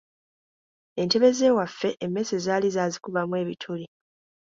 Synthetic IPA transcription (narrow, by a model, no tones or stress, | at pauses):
e̞nte̞βe̞ze̞ːwafːe̞ʔemːe̞sezaːlizaːzikuβamwe̞ːβitʰuli